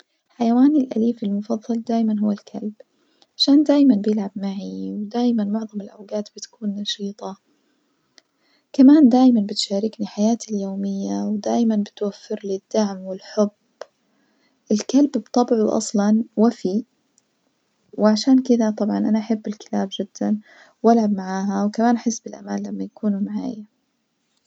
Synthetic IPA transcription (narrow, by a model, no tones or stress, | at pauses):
ħajawaːnɪlʔa̰liːfɪlmʊfɑðˤːɑld̪aːjmanɦʊwːalkʰalb | ʕaʃaːnd̪aːjmanbjɪlʕabmaʕiwd̪aːjmanmʊʕðˤɑmɪlʔawɡaːt̪b̥ɪt̪ḁkuːnːɑʃiːt̪ˤɑ | kamaːnd̪aːjmanbɪt̪ʃaːɾɪkniħajaːt̪iljoːmɪjːawd̪aːjmanbɪt̪wafːɪɾlɪd̪̥ːaʕmwɪlħʊb | ʔɪlkalbbt̪ˤɑbʕuʔɑ̰sˤlɑnwafi | wʕaʃaːnkɪd̪at̪ˤɑbʕɑnʔanaʔaħabːɪlkɪ̥laːbd͡ʒɪd̪̥ːan | wʔalʕabmaʕaːɦawkamaːnʔaħɪsːbɪlʔa̰maːlːamːajakuːnumaʕa̰ːja